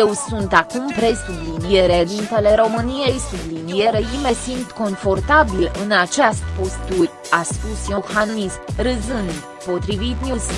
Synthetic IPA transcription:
jewsunt̪akumpɾe̞sublinije̞ɾed̪int̪ele̞ɾo̞mɨnije̞jsublinije̞ɾeime̞simt̪ko̞nfo̞rt̪abilɨnat͡ʃeast̪ʲpo̞st̪urʲ | aspusjohanismrɨzɨnd̪ | po̞t̪ɾivit̪nʲus

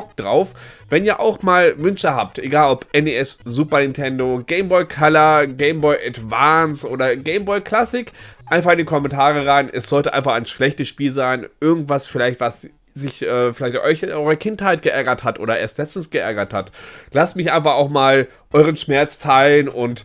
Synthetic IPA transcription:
bk̚d̥ʁa̰ʊfv̥ɛniːɐʔa̰ʊxmaːlvʏnʃəɦaːp̚tʔeɡaːlɔpʔɛneɛszuːpɐnɪntʰɛndoɡeɪmbɔʏkʰalɐɡeɪmbɔʏɪʔɛdvaːnsʔoːdɐɡeɪmbɔɪkʰl̥asɪkʔaɪnfaχɪndikʰɔmɛntʰaːʁ̞əʁaɪnʔɛsz̥ɔltəʔaɪnfaχaɪnʃlɛçtəsʃpiːlzaɪnʔɪɐɡŋ̩tv̥asfɪlaɪçtv̥as | zɪçʔɛːfɪlaɪçtʔɔʏçʔɔʏʁɐkʰɪnthaɪt̚ɡ̥əʔɛɐɡɐthatʔo̰ːdɐʔḛːɐstlɛt͡stn̩sɡ̥əʔɛɐɡɐthatlastmɪçʔaɪnfaχaʊxmaːl | ʔɔʏʁ̞ənʃmɛɐt͡stʰaɪlənʊnt

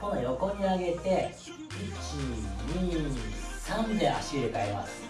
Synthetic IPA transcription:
konojo̞kõ̞ɲ̟ːiaɡe̞t̪e̞ | it͡ɕiɲi | sãnd̪ea̰ɕiɨekaema̰sɨ̥

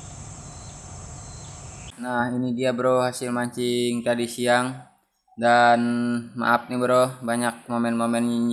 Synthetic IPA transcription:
nahinidiabəɾɔhasilmaɲt͡ʃiŋt̪adisiaŋ | danma̰ʔap̚nibəɾohbaɲak̚momɛnmomɛn

